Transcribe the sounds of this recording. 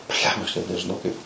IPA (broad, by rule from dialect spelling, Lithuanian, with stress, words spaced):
ˈbʲlʲɛmbɐ ɐʃ nʲɛt nʲɛʒʲɪˈnɐʊ kɐɪp